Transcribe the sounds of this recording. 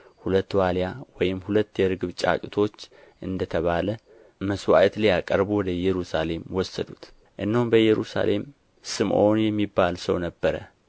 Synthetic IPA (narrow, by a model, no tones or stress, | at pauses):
hulət̪ːwaljawɔjɪmhulət̪ːjɛɾɨɡɨβt͡ʃʼa̰kʼɨt̪ʰo̞t͡ʃː | ʔɨnd̪ət̪ʰəβalə | məswa̰ʔt̪ljakʼəɾbuwɔd̪əjːɛɾusale̞mwɔsːəd̪ut̪ | ʔɨnːəhumbəjːɛɾusa̰lʔe̞m | sɨmʔonjɛmːibːalsəwnəbːəɾə̰